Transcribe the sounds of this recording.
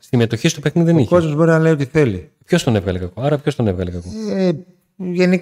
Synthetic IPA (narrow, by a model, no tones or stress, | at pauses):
st̪ime̞t̪o̞çist̪ope̞xniðiðeniko̞zmozbo̞ɾinɐle̞io̞t̪iθe̞lipço̞st̪o̞nevɣɐlekɐkoɐɾɐpço̞st̪o̞nevɣɐlekɐko | ʝenik